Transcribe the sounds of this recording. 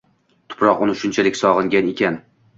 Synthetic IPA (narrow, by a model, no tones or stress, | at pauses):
t̪ʰʊ̥pʰɾɒqʊnɪʃʊnt͡ʃʰalɪkʲsɒʁɨŋɡʲane̞kʲan